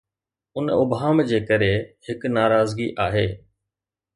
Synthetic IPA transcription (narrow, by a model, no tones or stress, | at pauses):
ʊnʊbʱaːmd͡ʑeːkɐɾehɪknaːɾaːzɡiʔaːɦeː